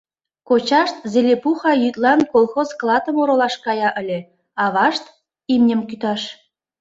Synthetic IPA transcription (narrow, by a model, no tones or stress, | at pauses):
kot͡ɕɑʃt̪zelʲepuxɑjyt̪lɑnkolxozklɑt̪ə̆moɾolɑʃkɑjɑʔə̆lʲĕ | ɑβɑʃt̪ | imnʲə̆mkyt̪ɑʃ